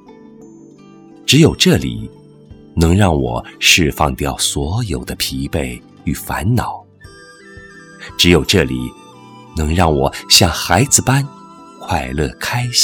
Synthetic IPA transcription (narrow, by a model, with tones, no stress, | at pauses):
ʈ͡ʂɻ̩˧˥jo˨˩ʊʈ͡ʂɤ˥˩lḭ˨˩˦ | nɤ˧˥ŋɻɑ˥˩ŋwɔ̰˨˩ʂɻ̩˥˧fɑ˥˧ŋt̪jɑ˥˩ʊswɔ˧˥jo˨˩ʊd̪ə˦pʰi˧˥pe˥˩ɪ | y˨˩fa˧˥nnɑ˨˩˦ʊ | ʈ͡ʂɻ̩˧˥jo˨˩ʊʈ͡ʂɤ˥˩lḭ˨˩˦ | nɤ˧˥ŋɻɑ˥˩ŋwɔ˨˩ɕjɑ˥˩ŋxa˧˥ɪd͡zɹ̩˧pa˥n | kʰwa˥˧ɪlɤ˥˩kʰa˥ɪɕ